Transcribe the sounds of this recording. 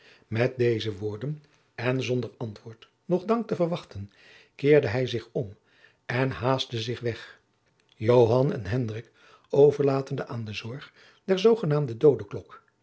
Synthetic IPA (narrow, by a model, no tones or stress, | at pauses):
mɛt̚dejzəʋʊːɹdən | ɛnzɔndəɹɑntʋʊːɹt | nɔχdɑŋk̚təvəɹʋɑχtən | kɪːɹdəɦɛjzɪχɔm | ɛnɦaːztəzɪχʋɛχ | jowɦɑnɛ̰nɦɛndrɪk | owvəɹlaːtəndəʔaːndəzɔɹχ | dɛɹzowχənaːmdədowdəklɔk